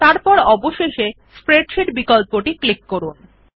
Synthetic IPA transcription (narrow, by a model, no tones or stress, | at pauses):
t̪aɾpɔɾɔboʃeʃe | spɾeɖʃiʈbikolpoʈiklikːoɾun